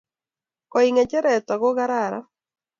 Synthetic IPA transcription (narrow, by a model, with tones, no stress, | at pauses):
kɔ˨iŋɛ˨t͡ʃɛ˦ɾɛ˨t̪wa˨ɡo˦ɣa˦ɾa˦˨ɾa̰˦